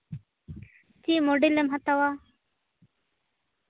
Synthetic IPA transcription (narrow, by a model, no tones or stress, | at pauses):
t͡ɕimoɖilemɦɐt̪awa